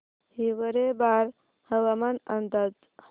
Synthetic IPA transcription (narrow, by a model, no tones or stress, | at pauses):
hiʋəɾebaɾ | həʋamanənd̪ad͡z